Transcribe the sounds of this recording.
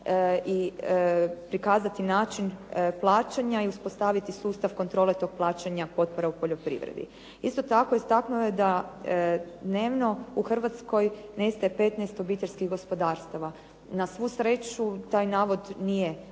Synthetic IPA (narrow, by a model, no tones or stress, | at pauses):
i | pɾikaːzat̪inaːt͡ʃinplˠaːt͡ʃaɲaiuspo̞st̪aʋit̪isuːst̪aʋko̞nt̪ɾo̞ːlet̪o̞ɡ̚plˠaːt͡ɕaɲapo̞t̪̚po̞ɾaupo̞ʎo̞pɾḭʋɾḛd̪ḭ | ist̪o̞t̪akoist̪aknued̪a | d̪ne̞ːʋno̞uxr̩ʋat̪sko̞jnest̪ajepe̞ːt̪nɛjst̪o̞biːt̪eʎʲskiɣɡo̞spo̞d̪aːɾst̪aʋa | nasʋuːsɾe̞ːt͡ʃut̪aːjnaːʋo̞d̪nije